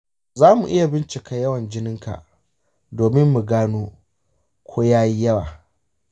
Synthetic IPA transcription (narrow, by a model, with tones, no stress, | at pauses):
zaː˦mṵ˨ʔɪ˦ja˨bɪ˦nt͡ʃɪ˨ka˨jɐ˦wɐ˨nd͡ʒɪ˦nɪ˦ŋka̰˨ʔ | doː˨mɪ˦mːu˨ɡaː˦noː˦ | kʷʰoː˦jaː˦ji˦jɐ˦waː˨